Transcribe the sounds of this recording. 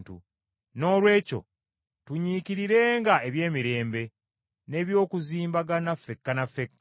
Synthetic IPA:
tṵ | no̞ːlwe̞ːco̞̰ | tuɲiciɾiɾe̞ːŋɡaeβje̞ːmiɾe̞ːmbe̞ | ne̞βjo̞ːkuziːmbaɡanafːe̞kːanafːekːa

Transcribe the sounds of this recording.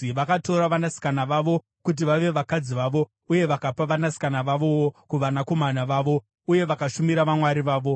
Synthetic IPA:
ʋakato̞ɾaʋanasi̥kanaʋaʋo̞ | kut̬iʋaʋe̞ʋakad͡ziʋaʋo̞ | uje̞ʋakapaʋanasi̥kanaʋaʋo̞wokuʋanako̞manaʋaːʋo̞ | uje̞ʋakaʃumiɾaʋamwaɾiʋaːʋo̞

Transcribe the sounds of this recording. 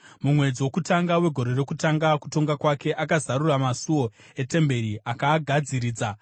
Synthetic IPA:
mumwe̞d͡ziwo̞kutaŋɡawe̞ɡʱo̞ɾe̞re̞kutaŋɡaku̥to̞ŋɡakwake̞ʔakazaɾuramasuo̞ | e̞te̞mbe̞ɾiʔakaːɡʱad͡ziɾiːd͡za

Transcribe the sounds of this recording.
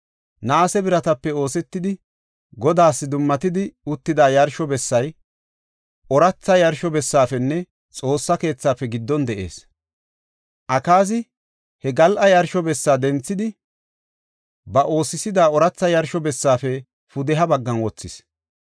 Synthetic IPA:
naːsɛbɪɾɐt̪ɐpːɛo̞ːsɛt̪ːɪd̪ɪ | ɡɔd̪aːsːɪd̪ʊmːɐt̪ɪd̪ɪʊt̪ːɪd̪aːjɐɾʃɔbɛsːɐj | ʔɔɾɐt͡sːɐjɐɾʃɔbɛsːaːfɛnːɛ | t͡sʼo̞ːsːɐke̞ːt͡sːaːfːɛɡɪd̪ːɔnd̪ɛʔe̞̰ːs | ʔɐkaːs̬ɪ | hɛɡɐlʔɐjɐɾʃɔbɛsːaːd̪ɛnt͡sːɪd̪ɪ | bɐʔo̞ːsɪsɪd̪aːɔɾɐt͡sːɐjɐɾʃɔbɛsːaːfɛ | fʊd̪ɛɦɐbɐɡːɐnwɔt͡sːɪs

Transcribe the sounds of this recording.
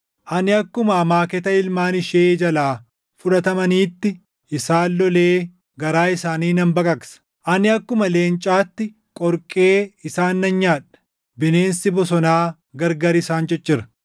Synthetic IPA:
ʔɐnɪɐkːʊmɐːmaːkɛt̪ɐɪlmaːnɪʃeːd͡ʒɐlaː | fʊᶑɐt̪ɐmɐniːt̪ːɪ | ʔɪsaːlːɔleː | ɡɐɾaːɪsaːniːnɐmbɐkʼɐkʼsɐ̥ | ʔɐnɪɐkːʊmɐleːnt͡ʃʼaːt̪ːɪ | kʼɔɾkʼeːɪsaːnːɐnɲaːᶑɐ̥ | bɪneːnsɪbɔs̬ɔnaː | ɡɐɾɡɐɾɪsaːnd͡ʒɛt͡ʃːɪɾɐ̥

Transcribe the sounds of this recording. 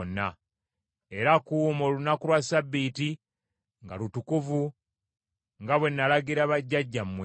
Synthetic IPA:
nːa | e̞ɾakuːmo̞lunakulwasabːiːti | ŋɡalutukuvu | ŋɡaβwe̞nːalaɡiɾaβaɟːaɟːamːwe

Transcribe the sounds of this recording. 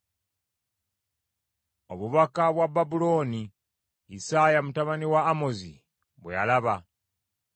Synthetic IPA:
oβuβakaβwababulo̞ːni | isajamutaβaniwaːmozḭ | βwḛja̰laβa

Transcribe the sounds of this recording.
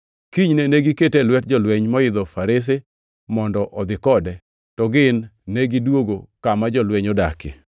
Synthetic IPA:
kiɲneneɡiketelwɛt̚d͡ʒɔlwɛɲmɔɪd̪ɔfaɾes̬e | mɔndɔʔɔd̪ɪkɔdɛ | tɔɡɪnːeɡidwoɡokamad͡ʒɔlwɛɲɔdakɪ̰

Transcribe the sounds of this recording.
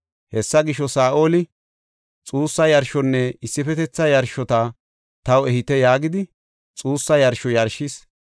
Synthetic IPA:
hɛsːɐɡɪʃɔsaːʔo̞ːlɪ | t͡sʼuːsːɐjɐɾʃɔnːɛɪsːɪfɛt̪ɛt͡sːɐjɐɾʃɔt̪ɐ | t̪ɐwɛhɪt̪ːɛjaːɡɪd̪ɪ | t͡sʼuːsːɐjɐɾʃɔjɐɾʃːɪs

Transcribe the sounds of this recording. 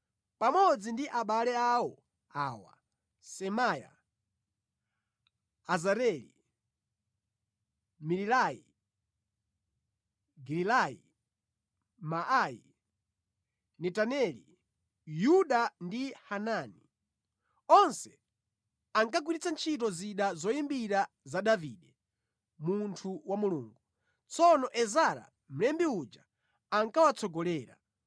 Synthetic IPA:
pamɔd͡zindiʔaɓalɛawɔ | aːwa̰ | sɛmaːja̰ | azaɾɛlḭ | mililajḭ | ɡililajḭ | maʔajḭ | nɛtanɛlḭ | juɗandihanani | ɔnsɛ | aŋkaɡ̬wiɾit͡sant͡ʃʰit̬ɔziɗazɔimbiɾa | zaɗaviɗɛ | muntʰuwamuluːŋɡu | t͡sɔnɔʔɛzaɾa̰ | m̩lɛmbiud͡ʒa | aŋkawat͡sʰɔɡɔlɛːɾa̰

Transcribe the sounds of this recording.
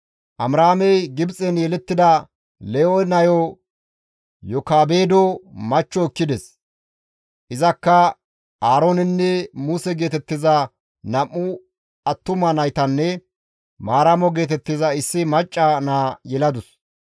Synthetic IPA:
ʔɐmɾaːmɛjɡɪbt͡sʼɛnjɛlɛt̪ːɪd̪ɐ | lɛonɐjɔ | jɔkaːbeːd̪ɔmɐt͡ʃːɔkːɪd̪ɛs | ʔɪzɐkːɐ | aːɾoːnɪnːɛmusɛɡe̞ːt̪ɛt̪ːɪzɐ | nɐmːʊ | ɐt̪ːʊmɐnɐjt̪ɐnːɛ | maːɾɐmɔɡe̞ːt̪̬ɛt̪ːɪzɐɪsːɪmɐt͡ʃʼːɐnaːjɛlɐd̪ʊs

